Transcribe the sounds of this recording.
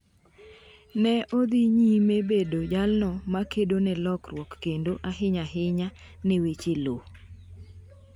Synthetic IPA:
nɛʔod̪iɲimebedod͡ʒalnɔmakedonɛlɔkrwɔkːendoʔaɦɪɲaɦɪɲa | newet͡ʃelo

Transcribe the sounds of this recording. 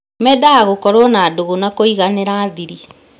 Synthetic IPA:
mɛdaaɣokɔɾɔnaːdoɣonakoiɣaneɾaːðiɾi

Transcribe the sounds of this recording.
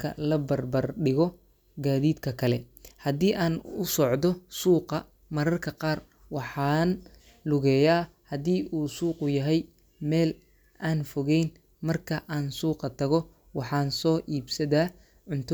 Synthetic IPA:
kʰɐ̰lɐbɐrbɐrɖɪɣɔ | ɡaːðiːd̪kʰɐkʰɐlɛ | hɐðiːʔaːnʊsɔʕd̪ɔsuːqɑ | mɐɾɐrkʰɐqɑːr | wɑħɑːn | lʊɣɛːjaːhɐðiːʔuːsuːqʊjɐɦɛj | mɛːl | aːnfɔɣɛjn | mɐrkʰɐʔaːnsuːqɐt̪ʰɐɣɔ | wɑħɑːnsɔːʔiːbsɐðaː | ʕʊnt̪ʰ

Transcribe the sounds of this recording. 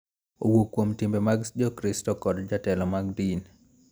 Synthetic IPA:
o̰wokːwomtɪmbemaɡd͡ʒɔkɾistɔkɔdd͡ʒatɛlɔmaɡ̚din

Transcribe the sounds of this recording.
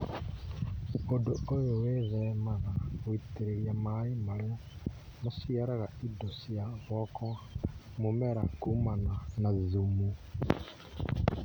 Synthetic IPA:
odoojoweβemanaɣwitiɾeɾjamaimale | musiaɾaɣaidosjaβɔko | mumeɾa̰kumananazizumu

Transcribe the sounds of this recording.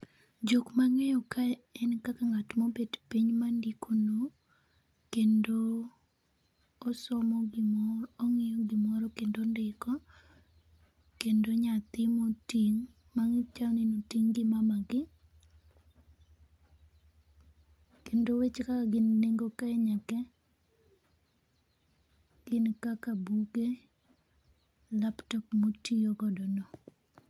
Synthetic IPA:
d͡ʒokmaŋɛjɔkaɛnkakaŋatmɔbedpiɲmandikono | kendo | sɔmɔɡɪmɔːŋɪjɔɡɪmɔɾɔkendondɪkɔ | kendoɲat̪ɪmɔtiŋ | maŋt͡ʃanɪnotiŋɡɪmamaɡɪ | kendowet͡ʃkakaɡɪnneŋɡokaɛɲakɛ | ɡ̥ɪnkakabuɡe | laptɔkmotiokɔdɔnɔ

